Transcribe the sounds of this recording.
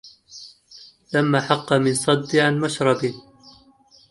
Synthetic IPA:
lamːaːħɑqːɑmɪnsˤɑd̪ːɪʕanmaʃɾˤɑbɪ

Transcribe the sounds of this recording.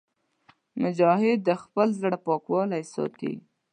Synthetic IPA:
mʊd͡ʒɑhɪd̪ːəxpəlzɽapɑkwɑlajsɑ̰t̪ḭ

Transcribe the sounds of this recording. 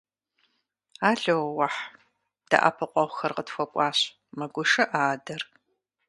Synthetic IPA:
aːɮowwɐħ | d̥ɐ̰ʔa̰pʰɨqʷʼɔʁʷxɐrqətfʷɐkʷʼɑːɕ | mɐɡʷʊʂɐʔaːdɐr

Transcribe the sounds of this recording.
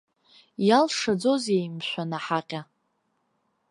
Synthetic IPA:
jalʂad͡zo̞zejmʃʷᶣanaħaqʲʼa

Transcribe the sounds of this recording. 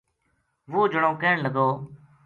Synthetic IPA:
ʋuːd͡ʒəɽõːkeːɳləɡoː

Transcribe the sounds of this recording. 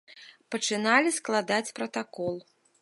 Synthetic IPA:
pɐt͡ʂɨnalʲisklˠad̪at͡sʲpɾɐt̪akɔlˠ

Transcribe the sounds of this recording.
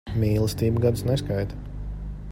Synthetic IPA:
mʲiːlˠəst̪iːbɡad̪snɛskajt̪ɐ̥

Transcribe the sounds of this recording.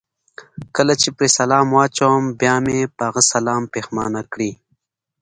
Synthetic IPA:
kəlat͡ʃepɾesɐlaːmwaːt͡ʃawmbjaːmepaɣəsɐlaːmpeːxma̰ːnakɽiː

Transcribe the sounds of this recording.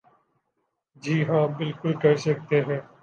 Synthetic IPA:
d͡ʒiːɦãːbɪlkʊlkɐɾsək̚t̪eɦɛ̃ː

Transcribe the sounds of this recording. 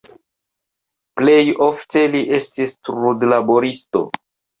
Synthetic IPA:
ple̞jofte̞liʔe̞stistɾudlaboɾisto̞̰

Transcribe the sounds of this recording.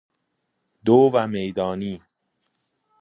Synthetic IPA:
d̪oːvæmejd̪ɒːniː

